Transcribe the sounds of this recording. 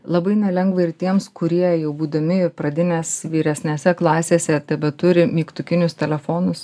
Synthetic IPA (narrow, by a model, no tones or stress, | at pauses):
lˠɐbɐɪnʲɛlʲɛŋɡʋɐɪɾt̪ʲiɛmskʊɾʲiɛjɛʊbuːd̪ɐmʲɪɾpɾɐd̪ʲɪnʲeːsʋʲiːɾʲɛsʲnʲeːsʲɛklˠɑːsʲeːsʲɛt̪ʲɐbʲɛt̪ʊɾʲɪmʲiːkt̪ʊkʲɪnʲʊst̪ʲɛlʲɛfoːnʊs